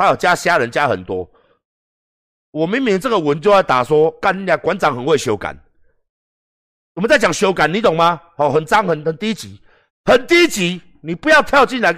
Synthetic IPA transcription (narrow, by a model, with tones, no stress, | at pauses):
a˦˥jo˨˩t͡ɕja˦ɕja˦ɻə˨˦nt͡ɕja˦hə̰˨˩nt̪wɔ˦ | wɔ˨˩mi˨˦ŋmi˨˦ŋt͡sə˥˨ɡə˨wə˨˦nt͡ɕjɔ˥˧˦a˥˩ɪt̪a̰˨˩swɔ˦˥ka˥˧ni˨˦ja˨˦kwa˨˦nt͡sa˨˦ŋhə˨˩nwe˥˩ɪɕjɔ˧ʊka̰˨˩˦n | t͡smə˨˦t͡sa˥˩ɪt͡ɕja˨˩ŋɕjo˨˦ʊka˨˦nːi˨˦t̪o˨˩ŋma˦hɔ˨˩ɦə˨nt͡sa˦ŋhə˨nə˨nt̪i˦t͡ɕi˨˦ | hə˨˩nt̪i˦t͡ɕi˨˦ | ni˨˩pu˧˦ja˥˧ʊt̪ʰja˥˧ʊt͡ɕi˥˨nla˧˦